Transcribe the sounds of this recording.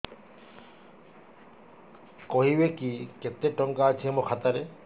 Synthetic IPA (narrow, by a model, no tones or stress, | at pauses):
kɔɦibekiket̪eʈɔŋkaːt͡ʃʰiemokʰat̪aɾe